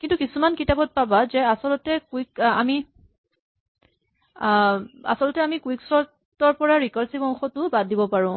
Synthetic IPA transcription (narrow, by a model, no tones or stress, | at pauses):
kintukisumankitabɔt̚pabazɛasɔlɔtɛkuika̰mi | a̰sɔlɔtɛamikuiksɔɹ | ɔɹpɔɹaɹikalsibɔŋxɔtʊbadːibɔpaɹʊ̃